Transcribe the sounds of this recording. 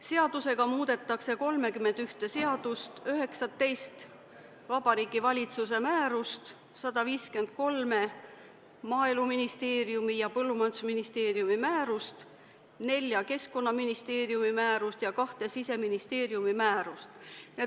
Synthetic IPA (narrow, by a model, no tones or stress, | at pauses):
se̞ɑd̪̥use̞ɡ̥ɑmuːd̪̥e̞t̪ˑːɑkse̞ko̞lme̞kymːe̞nd̪̥yht̪e̞se̞ɑd̪̥ust̪øɦe̞ksɑt̪ːe̞jst̪ | vɑbɑɾiːɡ̥ivɑlʲit̪suse̞mæːɾust̪ | sɑd̪̥ɑviːske̞nd̪̥̚ko̞lme̞ | mɑːeluminist̪e̞ːɾiumijɑpɤlːumɑjnsuminist̪e̞ːɾiumimæːɾust̪ | ne̞lʲːjɑke̞sko̞nːɑminist̪e̞ːɾiumimæːɾust̪jɑkɑht̪e̞sise̞minist̪e̞ːɾiumimæːɾust̪ne